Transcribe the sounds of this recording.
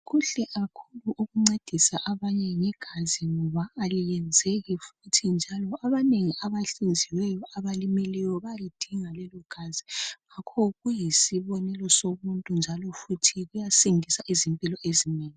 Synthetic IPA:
ɣuɬɛʔakʰuluʔuɣuŋ͡ǀed̥ʱisaʔaβaɲɛŋɛɡ̥ʱaziŋɔβaalijɛnd͡zʱeɣifutʰind͡ʒʱalɔʔaβaneŋiaβaɬind͡zʱiwɛjɔʔaβalimilɛjɔβalid̥ʱiŋalɛlɔɡ̥ʱaziɣakʰɔɣujisiβɔnɛlɔsomuntʼund͡ʒʱalɔfutʰiɣujasiŋisaʔizimpʼilɔʔezineːŋi

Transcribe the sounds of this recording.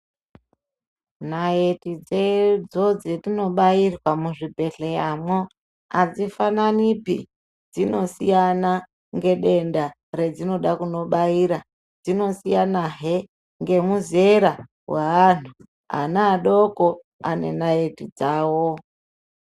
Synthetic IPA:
naetid͡zed͡zo̞d͡zetino̞ɓairwamuʐibʱe̞ɬejamwo | ad͡zifananipḭ | d͡zino̞sijana | ŋɡe̞ɗe̞nda | re̞d͡zino̞ɗakuno̞ɓaiɾa | d͡zino̞sijanaɦe | ŋɡe̞muze̞ɾa | weantʰu | a̰naːɗoko | ane̞̰nae̞tid͡zaːwo

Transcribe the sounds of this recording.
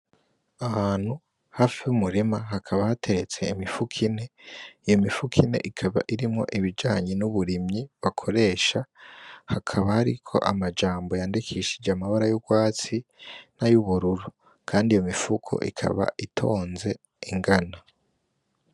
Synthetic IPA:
ahaːn̥hu | haːfiumuɾimaɦakʰaβahatʰe̞ɾe̞t͡se̞imifukʰine̞ijo̞mifukʰinḛʔikʰaβa̰ʔiɾimŋo̞̰ʔiβid͡ʒaːɲenuβuɾimɲiβakʰoɾe̞ːʃahakʰaβahaɾikʰo̞̰ʔamad͡ʒaːmbo̞jaːndikʰiʃid͡ʒeamaβaɾajuɡwaːt͡sinajuβuɾuɾu | kʰaːndijomifukʰo̰ʔḭkʰa̰βa̰ʔitʰo̞ːnze̞ | iŋɡana

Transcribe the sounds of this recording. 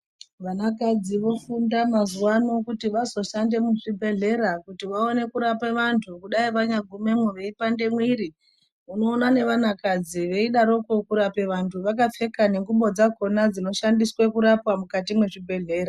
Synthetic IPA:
ʋanakad͡ziʋo̞fundamazuwano̞kutiʋazo̞ʃande̞muʐibʱe̞ɮe̞ɾakutiʋaone̞kuɾapeʋantʰukuɗaiʋaɲaɡʱume̞mweʋe̞ipande̞mwiɾi | uno̞ːnane̞ʋanakad͡ziʋe̞iɗaɾo̞ko̞kuɾape̞ʋantʰuʋakafe̞kane̞ŋɡuɓo̞d͡zako̞nad͡zino̞ʃandiswekuɾapwamukatimwe̞ʐibʱe̞ɮe̞ːɾa

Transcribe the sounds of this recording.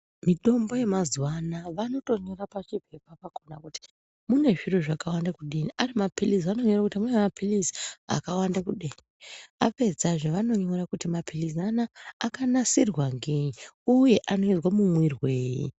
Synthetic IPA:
miɗo̞mbo̞je̞mazwanaʋano̞to̞ɲo̞ɾapat͡ʃipepapako̞nakuti̥ | mune̞ʐiroʐakawandakuɗiniʔarimapilis̬ano̞ɲorakutimunemapʰilisia̰kawandakuɗiːnia̰pe̞d͡zaʐoʋano̞ɲoorakutimapʰilisanaːkanasirwaŋɡeɲiuje̞ʔano̞izwamumwirweːjḭ

